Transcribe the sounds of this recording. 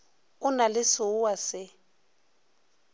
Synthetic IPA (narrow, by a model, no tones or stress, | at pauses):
ʊnalɪsʊuwasɪ